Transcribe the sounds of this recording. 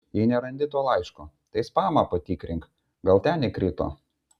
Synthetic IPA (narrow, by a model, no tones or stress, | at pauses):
jɛɪnʲɛɾɐnd̪ʲɪt̪oːlˠɐɪʃko | t̪ɐɪspɑːmɐpɐt̪ʲiːkɾʲɪŋk | ɡɐlˠt̪ʲɛnʲɪkɾʲɪt̪o̰ː